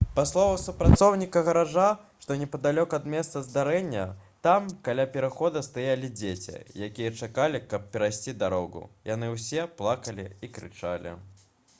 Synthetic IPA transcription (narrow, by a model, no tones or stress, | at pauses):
paslˠɔvɐsupɾat̪sɔwnʲikɐɣɐɾaʐaʂt̪ɔnʲɛpɐd̪alʲɔkɐd̪mʲɛst̪sɐzd̪aɾɛnʲːɐt̪amkalʲapʲɛɾaxɔd̪ɐst̪ajalʲid͡zʲet͡sʲḭjakʲijɐt͡ʂakalʲikɐp̚pʲɛɾajsʲt͡sʲid̪aɾɔɣṵjanɨwsʲɛplˠakɐlʲiikɾɨ̰t͡ʂa̰lʲḭ